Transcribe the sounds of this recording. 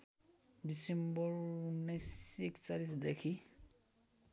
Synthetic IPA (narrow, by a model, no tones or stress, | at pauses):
disembɔɾnesekt͡salit̪d̪ɛkʰi